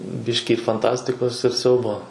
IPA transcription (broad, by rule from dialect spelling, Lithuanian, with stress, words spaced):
ˈbʲɪʃʲkʲɪ fɐnˈtɑːsʲtʲɪkoːs ɪr ˈsʲɛʊboː